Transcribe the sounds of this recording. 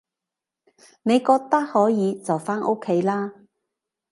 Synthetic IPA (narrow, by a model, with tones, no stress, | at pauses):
ne˨˧jkɔː˧k̚t̪ɐ˥k̚hɔː˨˥jiː˨˧t͡sɐ˨wfaː˥nʔo˥kʰe˨˥jlaː˥